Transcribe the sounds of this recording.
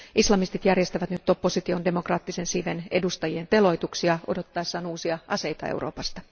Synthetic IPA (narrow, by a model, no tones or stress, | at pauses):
ʔislɑmist̪it̪jærje̞st̪æʋæt̪nyt̪topːo̞sit̪io̞nde̞mo̞krɑːt̪ːise̞nsiʋe̞ne̞̰dust̪ɑjie̞nt̪e̞lo̞jt̪uksiɑʔo̞̰do̞t̪ːɑesːɑːnuːsiɑʔɑse̞jt̪ɑ̰ḛwro̞̰ːpɑst̪ɑ̥